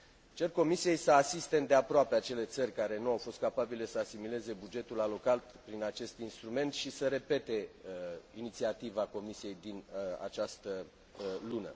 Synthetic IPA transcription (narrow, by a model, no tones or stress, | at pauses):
t͡ʃe̞rko̞misije̞jsəasist̪e̞ɨnd̪e̞apɾoape̞at͡ʃe̞le̞t̪sərʲkaɾe̞nuawfo̞st̪̚kapabile̞səasimile̞ze̞bud͡ʒe̞t̪ulalo̞kat̪pɾinat͡ʃe̞st̪inst̪ɾume̞nt̪ʃisəɾe̞pe̞t̪e̞ | init̪siat̪ivako̞misije̞jd̪ina̰t͡ʃast̪ə | lunə̰